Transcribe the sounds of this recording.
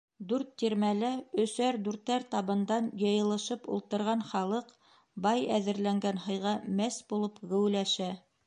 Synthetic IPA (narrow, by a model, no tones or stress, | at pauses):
d̪ʉɾt̪ːiɾmælæɵ̆sæɾd̪ʉɾt̪ːæɾt̪ɑβɤ̆nd̪ɑnjɤ̆jɤ̆lˠɤ̆ʃɤpṵlˠt̪ɤ̆ɾʁɑnχɑlˠɤq | bɑjæðɘ̆ɾlæŋɡænhɤ̆jʁɑmæsbulˠɤpɡɘ̆wlæʃæ